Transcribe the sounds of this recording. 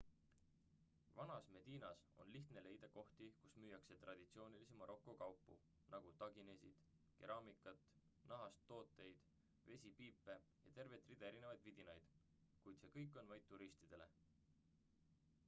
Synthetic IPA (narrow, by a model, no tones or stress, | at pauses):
vɑnɑsme̞d̪̥iːnɑso̞̰nliht̪ne̞le̞jd̪̥ɑko̞ht̪ikusmyːjɑkse̞t̪rɑd̪̥it̪sio̞ːnilisemɑɾʔo̞kˑːokɑwpːˑṵ | nɑɡ̥ut̪ɑɡine̞sid̪̥ | keɾɑːmikːˑɑt̪ːˑ | nɑɦɑst̪ːo̞ːt̪ːˑe̞jd̪̥ | ve̞sʲipiːpːˑe̞jɑt̪e̞rve̞t̪ːˑrid̪̥ɑe̞ɾinevɑjd̪vid̪̥inɑjd̪̥ | kujd̪se̞ːkɤjkːˑo̞nvɑjd̪̚t̪ːuɾist̪id̪̥e̞le̞̰